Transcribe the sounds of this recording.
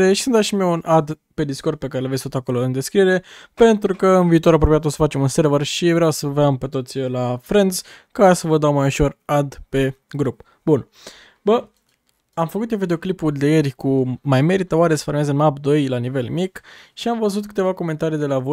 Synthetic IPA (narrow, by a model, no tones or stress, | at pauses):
eʃi̥sɨnd̪aʃimiewunʔad̪pe̞d̪isko̞rd̪̚pe̞kaɾelvesʲt̪ot̪ako̞lo̞ɨnd̪e̞skɾie̞ɾe̞pe̞nt̪ɾukəɨnviːt̪oɾapɾo̞pijat̪osə̥fat͡ʃe̞munseɾvərʃivɾeawsəveampe̞t̪o̞t̪sʲəlafɾend̪zkasəvəd̪awmajuʃo̞rad̪pe̞ɡɾup | bun | bə | amfəkut̪jovid̪e̞oklipud̪ejerʲkumajme̞ɾit̪əoaɾe̞sə̥foɾmezɨnmapd̪o̞jlanive̞lmikʃiamvəzut̪kɨ̥t̪e̞vako̞me̞nt̪aɾijd̪e̞lavo